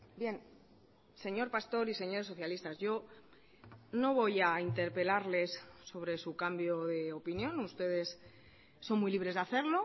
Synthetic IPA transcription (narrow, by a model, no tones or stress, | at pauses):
bje̞n | se̞ɲo̞ɾpast̪o̞ɾise̞ɲo̞ɾe̞s̬ːo̞θjalist̪azʝo̞ | no̞β̞o̞jaint̪e̞ɾpe̞laɾle̞sːo̞β̞ɾe̞sukambjo̞ðe̞opinjõ̞nust̪e̞ð̞e̞s | sːo̞nmujliβɾe̞zðaθe̞ɾlo̞